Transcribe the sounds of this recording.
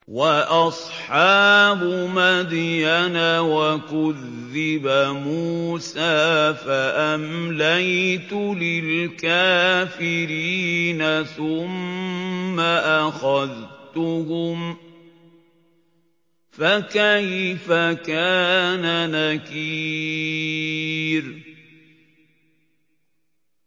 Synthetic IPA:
waʔɑsˤħɑːbʊmad̪janawakʊðː | ɪbamuːsaːfaʔamlajt̪ʊlɪlkaːfɪɾiːnaθʊmː | aʔaxaðt̪ʊhʊm | fakajfakaːnanakiː | ɾ

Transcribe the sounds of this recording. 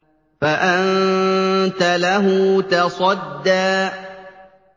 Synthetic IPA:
faʔannn | t̪alaɦʊːt̪ɑsˤɑd̪ːaː

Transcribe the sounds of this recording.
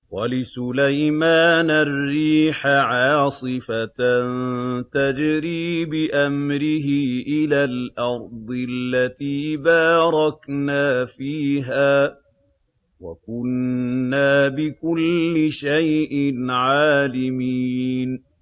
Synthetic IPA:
walɪsʊlajmaːnarːiːħaʕɑːsˤɨfannt̪ad͡ʒɾiːbɪʔamɾɪɦɪʔɪlaːlʔɑɾˤd̪ˤɪlːat̪iːbaːɾˤɑknaːfiːɦaː | wa̰kʊnːaːbɪkʊlːɪʃajʔɪnʕaːlɪmiːn

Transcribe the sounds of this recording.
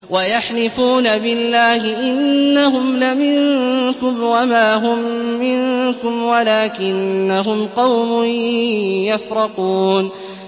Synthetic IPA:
wajaħnɪfuːnabɪlːaːhɪʔɪnːaɦʊmlamɪŋkʊmwamaːɦʊmːɪŋkʊmwalaːkɪnːaɦʊmqɑwmʊ | jafɾɑquːn

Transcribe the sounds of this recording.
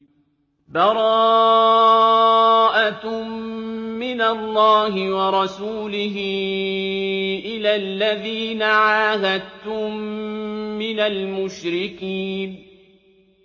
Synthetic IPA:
bɑɾˤɑ | ʔa | ɪnalˤːɑːɦɪwɑɾˤɑsuːlɪɦɪ | ʔɪlaːlːaðiːnaʕaːhad̪̚t̪ʊmː | ɪnalmʊʃɾɪkiːn

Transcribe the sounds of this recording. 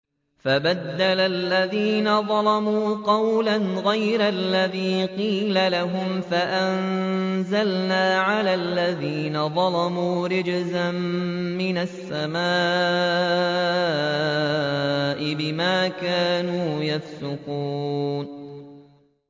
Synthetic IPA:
fabad̪ːalalːaðiːnaðˤɑlɑmuːqɑwlanɣajɾalːaðiːqiːlalaɦʊmfaʔanzalnaːʕalaːlːaðiːnaðˤɑlɑmuːɾɪd͡ʒzamːɪnasːamaː | ʔɪbɪmaːkaːnuːjafsʊquːn

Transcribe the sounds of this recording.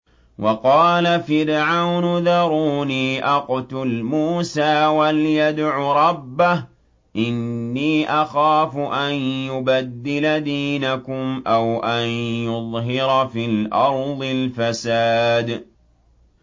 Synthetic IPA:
wʔɑqɑːlafɪɾʕawnʊðɑɾˤuːniːʔɑqt̪ʊlmuːsaːwaljad̪ʕuɾˤɑbːah | ʔɪnːiːʔaxaːfʊʔanjʊbad̪ːɪlad̪iːnakʊmʔawʔanjʊðˤɦɪɾfiːlʔɑɾˤðˤɪlfasaːd̪

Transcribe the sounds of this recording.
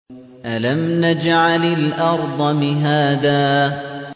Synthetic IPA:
ʔalamnad͡ʒʕalɪlʔɑɾˤd̪ˤɑmɪɦaːðaː

